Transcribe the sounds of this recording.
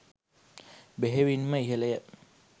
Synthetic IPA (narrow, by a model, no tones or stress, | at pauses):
beɦeʋinməiɦələjə